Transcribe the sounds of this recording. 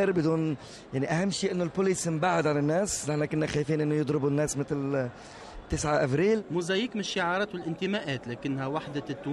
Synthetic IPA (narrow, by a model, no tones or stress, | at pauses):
ɾbɪd̪uːn | jaʕniʔahamːʃiːʔɪnːʊlpʊliːsmbaʕːad̪ʕalanːæːsnɪħnakʊnːaxajfiːnʔɪnːojɨd̪ˤɾɪbunːæːsmɪt̪l | t̪ːɪsʕaʔabɾiːlmʊzæjikmɪnʃːɪʕɑːɾˤɑːt̪wɪlʔɪnt̪ɪmæʔæːt̪læːkɪnːhæwaħd̪at̪ːu